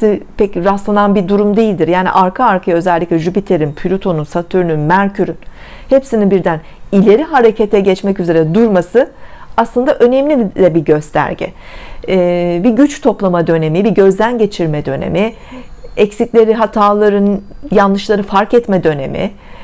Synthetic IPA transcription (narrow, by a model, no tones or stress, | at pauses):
sipʰɛcɾast̪lˠananbid̪uɾumd̪ejilʲd̪iɾjaːnḭʔaɾkʰaaɾkʰajaø̞zɛlʲːicʲlʲɛʒypit̪ʰeɾinpʰylʲut̪ʰo̞nunsat̪ʰyɾynynmæɾcʰyɾyn | hepsininbiɾd̪æn | ilʲe̞ɾiɦaɾe̞cʰet̪ʰɛɟɛt͡ʃmɛcyze̞ɾɛd̪uɾmasɯaslˠɯnd̪aʔønɛmlʲilʲɛbiɟø̞st̪ʰæ̰ɾɟɛ̰ | biɟyt͡ʃt̪ʰo̞plˠamad̪ø̞ne̞mibiɟø̞zd̪ænɟe̞t͡ʃʰiɾmɛd̪ø̞̰nḛmi | ɛcsiclʲe̞ɾiɦat̪ʰaːlˠaɾɯn | janlˠɯʃlˠaɾɯfaɾkɛt̪mɛd̪ø̞ne̞̰mḭ